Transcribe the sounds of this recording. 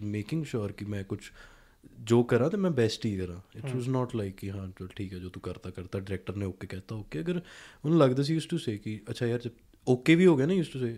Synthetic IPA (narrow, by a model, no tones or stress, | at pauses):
meːkɪ̃ŋɡʃoːɾkimɛ̃ːkʊt͡ʃʰ | d͡ʒoːkəɾãːt̪emɛ̃ːbɛːsʈiːkəɾãːɪʈwɔznɔːʈlaɪkːiɦãːʈʰiːkɛːd͡ʒoːt̪ũkəɾt̪aːkəɾt̪aːɖɪɾɛːk̚ʈəɾnẽoːkekɛːt̪aoːkeːəɡəɾʊnːləɡd̪aːs̬ijuːsʈuseːkiətːʃʰaːjaːɾd͡ʒəb̚ | oːkeʋiːɦoːɡjaːnaːjuːsʈuseː